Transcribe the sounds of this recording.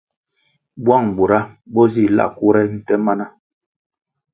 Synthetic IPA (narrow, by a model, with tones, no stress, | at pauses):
bwa˦˨ŋbu˨ɾa˦bɔ˦zi˦˨la̰˦˨ku˦ɾɛ˦n̩˨tɛ˦ma˦na˦